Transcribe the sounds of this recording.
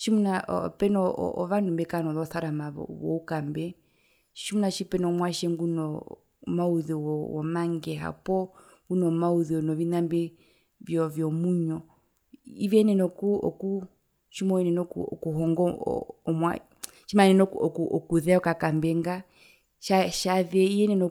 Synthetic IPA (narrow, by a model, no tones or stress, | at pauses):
ʃimunaʔɔ̰pɛnɔ̰ɔʋandumbɛkanɔðɔθaɾamaɔ̰wɔ̰ukambɛ | ʃimunaʃipɛnɔɔmwaʃɛŋɡunɔ | mauðiwɔwɔ̰maŋɡɛɦa̰pɔ | ɡunɔmauðiɔnɔvinambɛ | vjɔvjɔmuɲɔ | ivɛnɛnɔkuɔ̰ku | ʃimɔɛnɛnɔkɔ̰kuhɔŋɡɔ̰ɔmwa̰ | ʃimanɛnɔɔkuɔkuðɛɔkakambɛŋɡa | ʃaʃaðɛijɛnɛnɔ